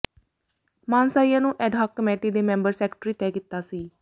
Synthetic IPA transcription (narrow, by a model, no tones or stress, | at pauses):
mãːnsaːijãːnũːʔɛːɖɦaːkːəmeːʈiːd̪eːmɛ̃ːmbəɾsɛːkʈɾiːt̪ɛːkɪt̪ːaːsiː